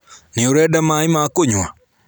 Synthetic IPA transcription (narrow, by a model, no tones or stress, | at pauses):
nioɾɛdamaimakoɲwa